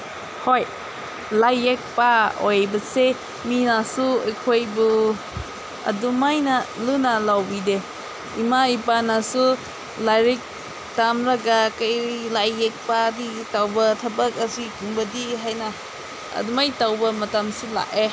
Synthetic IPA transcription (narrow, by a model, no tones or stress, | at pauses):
hoj | lajek̚paojbɐse | minasuekʰojbu | ɐ̰dumajnalunalawbide | imaipanasu | laɾik̚ | tamɾaɡakajlajːek̚paditawbɐtʰɐbak̚asikuŋbɐdiɦajna | ɐ̰dumajtawbɐmɐtamsula̰ʔe